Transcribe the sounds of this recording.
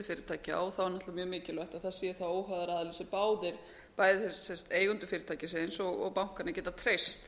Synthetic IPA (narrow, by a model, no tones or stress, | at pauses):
ʏfɪːɾɪt̪ʰaːjcɪa̰ɔθawɛɾnaht̪lavamjœːmɪːcɪlœjht̪aðθaðsjɛðɪθawoːwɦœðaɾaːðalisɪpaːwðɪɾ̥ | paːjðɪɛsɛnst̪eːjɣʏnt̪ʏ̥fɪːɾɪt̪ʰaːjcɪsensɔɣɔ̰ɣpawŋ̥kanacɛːt̪at̪ʰɾejst̪